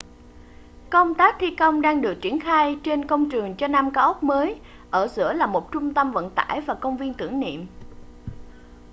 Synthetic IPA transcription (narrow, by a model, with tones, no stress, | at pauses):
kə˧wŋ͡mt̪aː˦˥k̚t̪ʰi˧kə˧wŋ͡mɗaː˧ŋɗɨ˨˩ək̚t͡ɕi˧˩ənxaː˧jt͡ɕe˧nkə˧wŋ͡mt͡ɕɨ˨˩əŋt͡ɕɔ˧naː˧mkaː˨˦ʔə˦˥k͡p̚məː˨˦j | ʔəː˧˩zɨ̰˧˥əlaː˨˩mo˨˩t̚t͡ɕʊ˧ŋ͡mt̪ə˧mvə̰˧˨nt̪a̰ː˧˩jvaː˨˩kə˧wŋ͡mvi˧ənt̪ɨ̰˧˩əŋnḭ˧˨əm